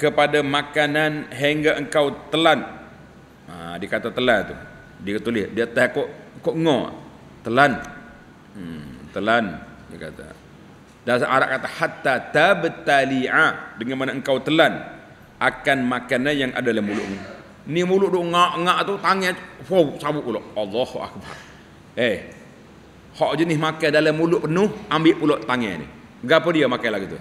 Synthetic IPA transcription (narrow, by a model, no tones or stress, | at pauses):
kəpadamakananɦeŋɡaʔəŋkawt̪əlan | a̰dikat̪at̪əlant̪u | dikət̪ulɪhdiat̪ahkoʔkoʔŋo | t̪əlan | ət̪əlandika̰t̪a̰ | dasaʔaɾa̰ʔkat̪ahat̪ːat̪abət̪aliʕadəŋanmanaəŋkawt̪əlan | akanmakanajaŋʔa̰dalamulʊʔmu | nimulʊʔduʔŋaʔŋaʔt̪ut̪aŋɛfowsabʊʔpulɔʔɑlˤːɑhuʔa̰k̚ba̰r | e | hɔʔd͡ʒənɪsmakajdalamːulʊʔpənʊhʔambɪʔpulɔʔt̪aŋɛ̰nɪ̰ | əɡapədiamakajlaɡit̪ṵ